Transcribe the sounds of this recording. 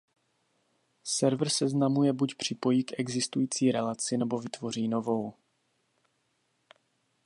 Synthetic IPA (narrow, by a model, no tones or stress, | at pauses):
sɛɾvr̩sɛznamujɛbucpr̝̥ɪpo̞jiːkʔɛɡzɪst̪ujiːt͡siːɾɛlat͡sɪnɛbo̞vɪt̪vo̞r̝iːno̞vo̞w